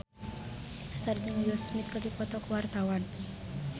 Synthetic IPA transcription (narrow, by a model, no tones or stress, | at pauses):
asart͡ʃəŋjɔsmɪt̪̚kəɾipɔt̪ɔkuwart̪awan